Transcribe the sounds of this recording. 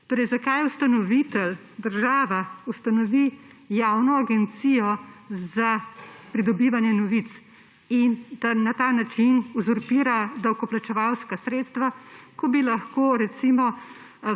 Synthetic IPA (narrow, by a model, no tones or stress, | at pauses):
t̪oːɾɛjzakajust̪anɔʋit̪ɛl | d̪əɾʒaːʋaust̪anɔʋi | jawnɔaɡɛnt̪sijɔzapɾid̪ɔbiːʋanjɛnɔʋit̪s | ind̪̥anat̪aːnat͡ʃinuzɔɾpiːɾad̪awkɔplat͡ʃɛʋalskasɾeːt̪st̪ʋakɔbilaxkoːɾɛt̪simɔ